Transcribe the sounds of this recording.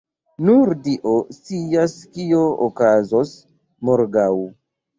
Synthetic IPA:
nuɾdiʔost͡siaskiookazos | moɾɡaw

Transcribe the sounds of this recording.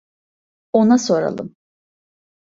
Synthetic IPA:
o̞naso̞ɾa̰lˠɯ̰m

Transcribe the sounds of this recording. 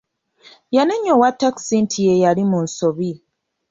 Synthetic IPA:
janeɲːowatːaksintʰijejalimunso̞βi

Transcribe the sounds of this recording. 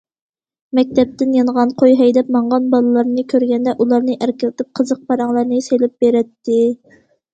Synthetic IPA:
mɛk̚ʲt̪ʰɛp̚t̪ɪnjɑnʁɑnqʰojɦɛjd̪ɛp̚mɑɴʁɑnbɑlˠɨlˠɑɾnɨkʲʰøɾɡʲɛnd̪ɛʔulˠɑɾnɨʔæɾkʲɪlɪt̪ʰɪp̚qʰəzəq̚pɑɾɑŋlˠɑɾnɨselɪp̚b̥eɾɛt̪ːɪ

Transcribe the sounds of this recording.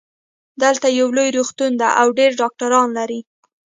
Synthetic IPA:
d̪əlt̪ajawlojɾuxt̪und̪a̰ʔawɖeɾɖɑk̚ʈaɾɑnlaɾi

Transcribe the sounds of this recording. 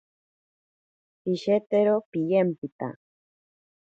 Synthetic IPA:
iʃet̪eɾopijempit̪a̰

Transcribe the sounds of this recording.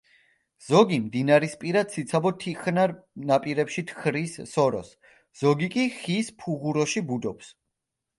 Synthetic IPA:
z̥ɔɡimd̪inaɾispʼiɾad̪sit̪sʰabɔt̪ʰiχnaɾnapʼiɾɛpʃit̪ʰχɾisːɔɾɔ̰s | z̥ɔɡikʼiχispʰuʁuɾɔʃibud̪ɔps

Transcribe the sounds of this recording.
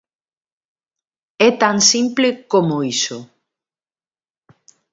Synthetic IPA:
ɛt̪aŋsimplekomoiso

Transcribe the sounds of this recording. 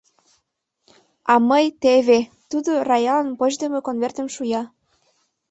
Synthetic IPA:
ɑməjt̪eβe | t̪ud̪orɑjɑlənpoʑd̪ə̆mekonvert̪ə̆mʃujɑ

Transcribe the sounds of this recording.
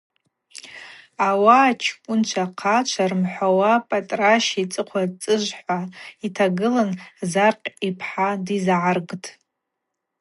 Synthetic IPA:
awaːt͡ʃʰkʷʼʊnt͡ʃʷʰaqʰat͡ʃʷʰarɨmħʷawapʼatʼraʃit͡sʼɨqʷʰat͡sʼɨʒʷħʷaitʰaɡɨlanzarqʲʼipʰħadizʕarɡtʰʼ

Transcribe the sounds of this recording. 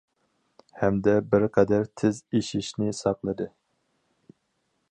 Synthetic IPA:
hɛmd̪ɛbɪɾqʰɛd̪æɾt̪ʰɪzeʃiʃnɪsɑqlˠɨd̪ɨ

